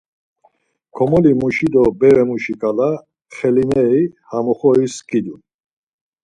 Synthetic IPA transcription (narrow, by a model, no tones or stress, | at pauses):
kʰɔmɔlimuʃid̪ɔbɛɾɛmuʃikʼala | χɛlinɛihamɔχɔiskid̪un